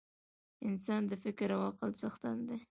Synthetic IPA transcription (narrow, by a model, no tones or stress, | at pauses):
ɪnsɑnd̪əfɪkɾawɑqɪlsaxt̪and̪e